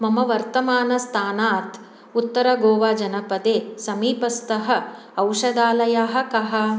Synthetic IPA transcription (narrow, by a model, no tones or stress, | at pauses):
mɐmɐʋɐɾt̪ɐmaːnɐst̪ʰaːnaːt̪ | ut̪ːɐɾɐɡoːʋaːd͡ʒɐnɐpɐd̪eːsɐmiːpɐst̪ɐɦɐ̆ | ɐwʂɐd̪aːlɐjaːɦɐ̆kɐɦɐ̆